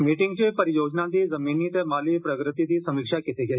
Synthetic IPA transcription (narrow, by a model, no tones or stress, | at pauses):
miʈiŋɡt͡ɕepəɾijod͡ʒnãt̪iːzəminiːt̪emalipɾəkɾɪt̪it̪iːsɐmikʂakit̪eɡʱe